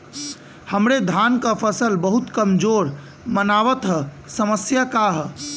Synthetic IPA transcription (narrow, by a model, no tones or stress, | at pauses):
həmɾed̪ʱankapʰəsəlbəɦut̪kəmd͡ʒoɾ | mənaʋət̪ɦə | səməsjakaɦ